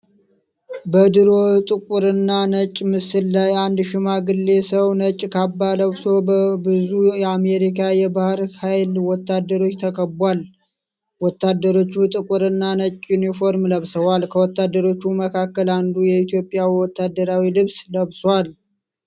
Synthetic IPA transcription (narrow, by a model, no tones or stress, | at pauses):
bəd̪ɨɾo̞t̪ʼɨkʷʼuɾɨnːanət͡ʃʼːmɨsɨlːajand̪ʃɪmaɡɨlːe̞səwnət͡ʃʼkʰabːaləβso̞bəbɨzujɛame̞ɾikʰajɛbahɾhajlwɔt̪ːad̪ːəɾo̞t͡ʃːt̪ʰəkʼəbwal | wɔt̪ːad̪ːəɾo̞t͡ʃːut̪ʼɨkʼuɾɨnːanət͡ʃʼjunifo̞ɾmləβsəwalkʰəwɔt̪ːad̪ːəɾo̞t͡ʃːuməkʰakːəland̪ujɛit̪jo̞pʼːjawiwɔt̪ːad̪ːəɾawilɨβsləβswal